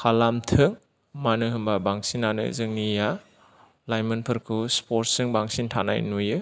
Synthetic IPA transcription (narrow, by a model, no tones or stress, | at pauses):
kʰalamtʰɯŋ | manɯɦɯmbabaŋsinːanɯ̰zɯŋnija | lajmɯnpʰɯɾkʰuspʰoɾt̚sɯŋbaŋsintʰana̰jnujɯ